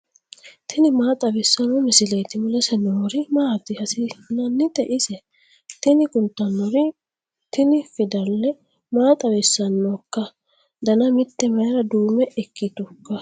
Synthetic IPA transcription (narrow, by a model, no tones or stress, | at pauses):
t̪ʰɪnɪmaːt̪ʼɐbɪsːɐnɔmɪsɪlɛjt̪ɪmʊlɛsɛnoɾɪmaːt̪ːɪhɐsɪnɐnːɪt̪ɛʔɪsɛ | t̪ɪnɪkʼʊnt̪ːɐnːɔɾɪ | t̪ɪnɪfɪd̪ɐlːɛ | maːt̪ʼɐwɪsːɐnːɔkːɐ | d̪ɐnɐmɪt̪ːɛmɐjɾɐd̪uːmɛʔɛkːɪt̪ʊkːɐ